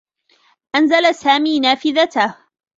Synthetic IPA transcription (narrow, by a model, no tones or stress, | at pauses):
ʔanzalasaːmiːnaːfɪðat̪ah